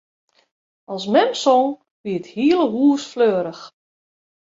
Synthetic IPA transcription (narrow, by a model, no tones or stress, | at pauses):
ɑlˠsmɛmsɔŋ | ʋiəthiəlˠəɦuːəsfløːəɾəx